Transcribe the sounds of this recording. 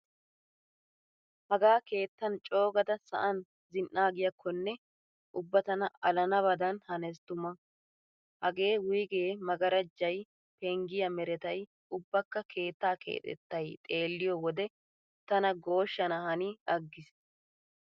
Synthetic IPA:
hɐɡaːke̞ːt̪ːɐnt͡ʃʼo̞ːɡɐd̪ɐsɐ̰ʔɐn | zɪnːaːɡɪjɐkʰːɔnːɛ | ʔʊbːɐt̪ɐnɐɐlɐnɐβɐd̪ɐnhɐnɛst̪ʊmɐ | hɐɡe̞ːwʊjɡeːmɐɡɐɾɐd͡ʒːɐj | pɛŋɡɪjɐmɛɾɛt̪ɐj | ʊbːɐkːɐkʰe̞ːt̪ːaːkʰḛːt̪ʼɛ̰t̪ːɐjt̪ʼe̞ːlːɪjɔwɔd̪ɛ | t̪ɐnɐɡo̞ːʃːɐnɐhɐniɐɡːɪs

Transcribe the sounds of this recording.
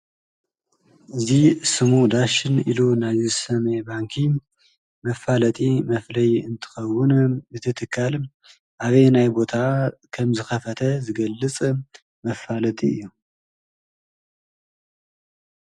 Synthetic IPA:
ʔɨzisɨmud̪aʃɪnḭlunajzisɐmɐjbaŋkʰi | mɐfalɐt̪ʼimɐflɐjɨnt̪ʰɨ̥xɐwʊnbɨt̪ʰɨt̪ʰɨkʰːal | ʔaβejnajbo̞t̪ʰakʰɐmzɨxɐfɐt̪ʰɐzɨɡɐlːɨt͡sʼ | mɐfalɐt̪ʼiɨjːu

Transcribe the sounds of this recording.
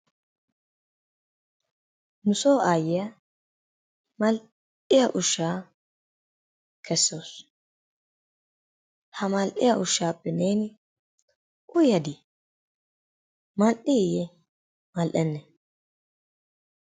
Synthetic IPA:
nʊsoːʔaːjɪjɐ | mɐl | ɪjɐʔʊʃːaː | kʰɛsːo̞ːs | hɐmɐlʔɪjɐʔʊʃːaːpːɛneːnɪ | ʔʊjɐd̪ɪ | mɐlʔɪɪjɛ | mɐlʔɛnːɛ

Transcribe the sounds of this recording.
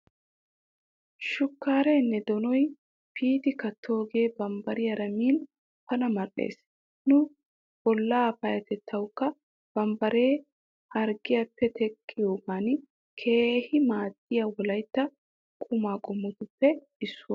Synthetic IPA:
ʃʊkːaːɾɛnːɛd̪ɔnɔj | pʰiːd̪ɪkɐt̪ʰːo̞ːɡe̞ːbɐmbɐɾɪjɐɾɐmiːn | pɐnɐmɐɾʼḛːs | nʊ | b̥ɔlːaːpɐjɐt̪ɛt̪ʰːɐwkːɐ | b̥ɐmbɐɾe̞ː | hɐɾɡɪjɐpːɛt̪ʰɛkʼːɪjoːʔɐn | kʰe̞ːhɪmaːt̪ʼːɪjɐwɔlɐjt̪ːɐ | kʼʊmaːkʼʊmːɔt̪ʊpːɛ | ɪsːʊw

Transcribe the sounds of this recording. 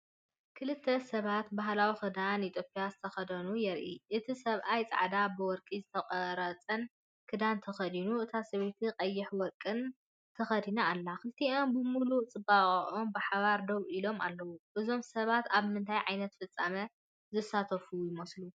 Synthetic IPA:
kʰɨlɨt̪ʰːɐsɐβat̪baɦlawixɨd̪anit̪ʰjopʼijazɨt̪ʰɐxɐd̪ɐnujɛɾʔiʔɨt̪ʰisɐβʔajt͡sʼa̰ʕd̪abɨwɔɾkʼizɨt̪ʰɐqʼɐɾɐt͡sʼɐn | kʰɨd̪ant̪ʰɐxɐd̪inuʔɨt̪ʰasɐβet̪ʰiqʼɐjːɪħwɔɾkʼɨn | t̪ʰɐxɐd̪inɐalːakɨlt̪ʰio̞mbɨmulut͡sʼɨbaχʼʔombɨħaβaɾd̪oβʔilo̞ma̰lːɐwuʔɨzo̞msɐβat̪aβmɨnt̪ʰajʕajnɐt̪fɨt͡sʼːamɐ | zɨsat̪ʰɐfujɪmɐslu

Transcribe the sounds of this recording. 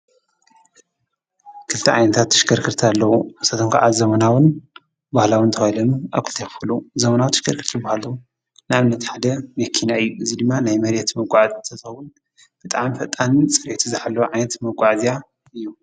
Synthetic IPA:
kʰɨlt̪ʰiʕa̰jnɐt̪ʰat̪ːɨ̥ʃkʰɐɾkʰɨɾt̪ʰalːɐwusɐt̪ʰoŋkʰaʔazɐmɐnawɨn | bahlawɨnt̪ʰɐxajlɐnua̰βkʰɨlt̪ʰejxɨfɨluzɐmɐnawt̪ʰɨʃkʰɐɾkʰɨɾt̪ʰɨbahalɐwu | naβɨnːɐt̪ħad̪ɐmɐkʰːinaɨjːuʔɨzid̪ɨmːanajmɐɾjɛt̪mɐɡʷʼaʕazt̪ʰɐt̪ʰɨxɐwun | b̥ɨt̪ʼaʕmifɐt̪ʼannt͡sʼɨɾet̪ʰuzɨħalːɐwʕajnɐt̪mɐɡʷʼaʕzija | ɨjːu

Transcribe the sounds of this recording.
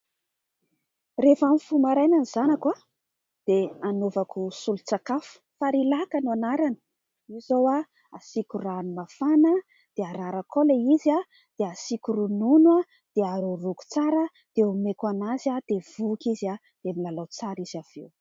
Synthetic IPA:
refamifumaɾajnanizanakwa | d̪̥eanovakusulut͡sakafu̥faɾilakanuanaɾanə̥ | izowa | asikuranumafanə | d̪̥eaɾaɾakoleiza | d̪̥easikuɾununwa | d̪̥eaɾuruku̥t͡saɾə | d̪̥eumekanazad̪̥ev̥ukiza | d̪̥emilalawt͡saɾiz̥av̥ḛw

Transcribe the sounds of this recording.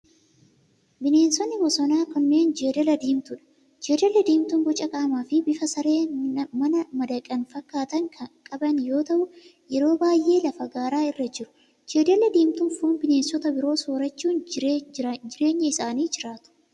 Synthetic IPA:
bɪne̞ːnsɔnːɪbɔsɔnaːkɔnːe̞ːnd͡ʒeːd̪ɐlɐd̪iːmt̪ʊᶑɐ̥ | d͡ʒe̞ːdɐlɐd̪iːmt̪ʊŋɡɔt͡ʃʼɐkʼaːmaːfɪbɪfɐsɐɾe̞ːmɐnɐmɐd̪ɐkʼːɐnfɐkːaːt̪ɐŋkʰɐkʼɐbɐnjo̞ːt̪ɐʔʊ | jɛɾo̞ːbaːjʔe̞ːlɐfɐɡaːɾaːɪrːɐd͡ʒɪɾʊ̥ | d͡ʒeːd̪ɐlɐd̪iːmt̪ʊnfuːnbɪne̞ːnsːɔt̪ɐbɪɾo̞ːsoːɾɐt͡ʃːuːn | d͡ʒɪɾe̞ːɲːɐɪsaːniːd͡ʒɪɾaːt̪ʊ̥

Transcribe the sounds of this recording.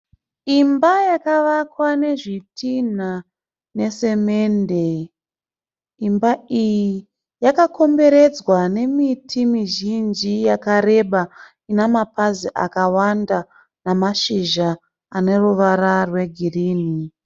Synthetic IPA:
imbajakaʋakwane̞ʐitʰin̤a | ne̞se̞me̞nde̞ | imbaiji | jakako̞mbe̞ɾe̞d͡zwane̞mitʰimiʒind͡ʒijakaɾe̞ɓa | inemapaziʔa̰kawanda | namaʃiʒaː | ne̞ruʋaɾarwe̞ɡʱiriːni

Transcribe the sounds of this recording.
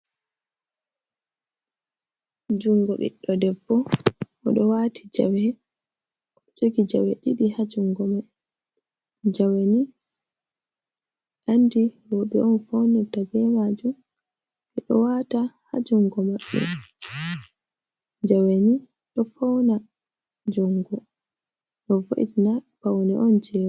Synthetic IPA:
d͡ʒuŋɡɔɓḭɗːɔdɛbːɔʔːɗɔwatʰi̥d͡ʒa̰w | ɔt͡ʃokid͡ʒa̰wɛɗiɗihad͡ʒuŋɡɔmaɓ | d͡ʒaweni | ʔandiwɔɓɛʔɔnfownɛtabɛmad͡ʒum | ʔɛɗɔwataha̰d͡ʒuŋɡɔmaɗːṵm | d͡ʒaweni | ɗɔfɔwna | d͡ʒuŋɡɔ | ɗɔvo̰ʔḭtinab̥awnɛʔɔnd͡ʒɛːɾ

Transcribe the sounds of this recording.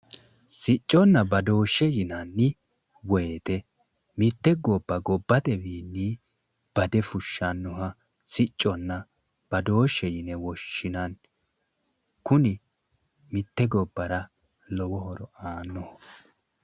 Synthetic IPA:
sɪt͡ʃʼːɔnːɐbɐd̪o̞ːʃːɛjɪnɐnːɪ | wɔjet̪ɛ | mɪt̪ːɛɡɔbːɐɡɔbːɐt̪ɛwiːnːi | b̥ɐd̪ɛfʊʃːɐnːɔɦɐ | sɪt͡ʃʼːɔnːɐ | b̥ɐd̪o̞ːʃːɛjɪnɛwɔʃːɪnɐn | kʊnɪ | mɪt̪ːɛɡɔbːɐɾɐ | lɔwɔɦɔɾɔaːnːɔh

